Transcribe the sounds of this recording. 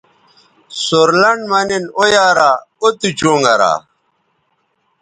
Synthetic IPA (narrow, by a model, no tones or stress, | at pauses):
soɾlɐɳɖmɐnenojaːɾaot̪ut͡ɕoːŋɡɐɾa̰